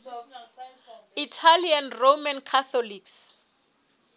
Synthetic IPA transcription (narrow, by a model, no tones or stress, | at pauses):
itʰalianromankʰaθɔliks